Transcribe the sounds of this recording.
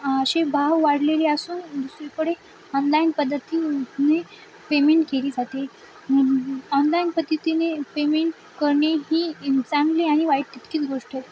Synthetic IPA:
əɕebʱaʋʋaɽleliasuːnd̪usɾekəɽe | ɔnlainpəd̪ʱːət̪ine | pemeɳʈkeliːd͡zʱat̪e | ɔnlainpəd̪ʱːət̪inepemeɳʈ | kəɾɳjeɦiːt͡sãŋɡleaɽ̃iʋajʈt̪it̪kiːt͡sɡoʂʈet̪

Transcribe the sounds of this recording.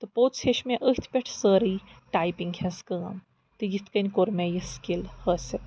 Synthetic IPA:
t̪ɨpoːt̪sʰeʃmeʔəht̪ʰpʲeʈʰsəːɾiːʈaːjpiŋɡhʲɐ̃nskəːɐm | t̪ɨjit̪ʰkɐnʲkoɾmejiskilhəsʲɐ

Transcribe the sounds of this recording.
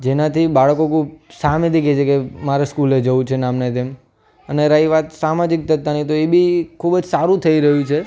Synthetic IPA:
d͡ʒenat̪ʰibaɭkokʰubsamẽt̪iket͡ʃʰekemaɾeskuled͡ʒəũt͡ʃʰenamnet̪em | əneɾaiʋat̪samad͡ʒik̚t̪ət̪ːanit̪oebikʰubd͡ʒsaɾũt̪ʰəiɾəɦjũt͡ʃʰe

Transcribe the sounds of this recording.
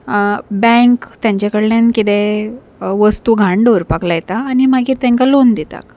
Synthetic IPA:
bɛ̃ŋkt̪jãɲt͡ɕakəɽlenkit̪e | ʋəst̪uɡʱãɳɖoɾpaklajet̪aːñimaɡiːt̪ɛ̃ŋkalond̪it̪a̰k

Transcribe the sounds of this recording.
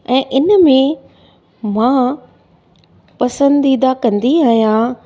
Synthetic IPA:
ɛ̃ːʔɪnəmẽ | mãː | pɐsə̃nd̪id̪akɐ̃nd̪iaːɦijã

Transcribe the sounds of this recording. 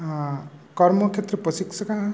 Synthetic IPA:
kʌrmʌkʰet̪rʌprʌsiksʌkaɦã

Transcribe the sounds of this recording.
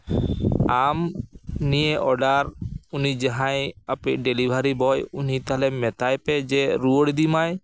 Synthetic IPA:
amnieʔɔɖaɾunid͡ʒaɦãjapeɖelibʱaɾibɔjunit̪aɦalɛmɛt̪ajpɛd͡ʒɛɾuoɽd̪imaj

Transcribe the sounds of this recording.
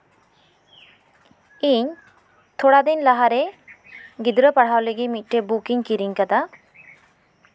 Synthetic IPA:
iɲ | t̪ʰɔɽad̪ɛɲlaɦaɾɛ | ɡid̪ɾəpaɽ̤awleɡimit̪̚ˀʈebukiŋkiɾiɲkad̪a

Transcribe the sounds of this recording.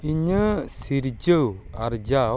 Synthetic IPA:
iɲəsiɾd͡ʒəwaɾd͡ʒa

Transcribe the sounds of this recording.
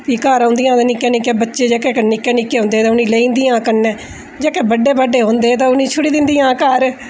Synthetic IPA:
kiːkaːɾãːnd̪ijãːd̪eːnɪkẽːnɪkeːbətːʃeːd͡ʒɛːkeːkənɪkẽːnɪkeːɦõːnd̪eːt̪ãːʊnĩːleːĩːnd̪iːãːkəɾnɛː | d͡ʒɛːkeːbəɖːeːbəɖːeːɦõːnd̪eːt̪ãːʊnĩːt͡ʃʰʊɽiːd̪ɪnd̪ijãːkəɾ

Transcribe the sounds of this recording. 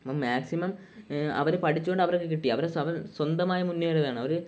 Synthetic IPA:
ɐpːɐmmaːksimɐm | ɐ̰ʋɐɾepɐʈʰit͡ɕːuɣoɳɖɐʋɐɾokːek̬iʈːijɐʋɐɾeɐʋɐswɐnd̪ɐmaːjɐmunːjɐɭɐðaːɳɨɐʋɐɾɨ

